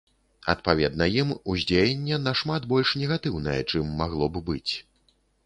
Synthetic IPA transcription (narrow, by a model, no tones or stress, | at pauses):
ɐ̰t̪̚pavʲɛd̪̚nɐjimuzʲd͡zʲejɛnʲːɛnɐʂmat̪bɔlʲʂnʲɛɣat̪ɨwn̪ɐjɛ̰t͡ʂɨmːaɣlˠɔbɨbɨt͡sʲ